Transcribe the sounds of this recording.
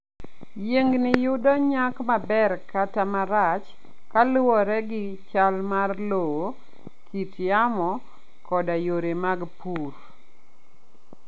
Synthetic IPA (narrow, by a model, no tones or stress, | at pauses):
jeŋɡnɪjʊdɔɲakmabɛrkatamaɾat͡ʃ | kalʊwɔɾɛɡɪt͡ʃalmarlowo | kʰitjamɔ | kɔdajoɾemaɡpur